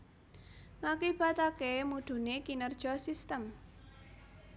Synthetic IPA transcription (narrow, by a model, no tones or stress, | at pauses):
ŋakib̥at̪akemud̪̥ṳnekinərd̥ʒ̥ɔsist̪əm